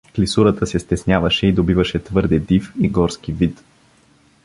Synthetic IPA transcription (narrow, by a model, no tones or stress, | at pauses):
klisuɾət̪əsɛst̪ɛsnʲavɐʃɛid̪obivəʃɛt̪vɤɾd̪ɛd̪ifiɡɔɾskivit̪